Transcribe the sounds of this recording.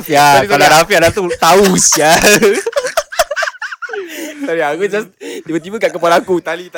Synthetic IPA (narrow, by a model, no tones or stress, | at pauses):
faaladafiadat̪ut̪ausia | t̪adiakud͡ʒasdibət̪ibəkaʔkəpalakut̪alit̪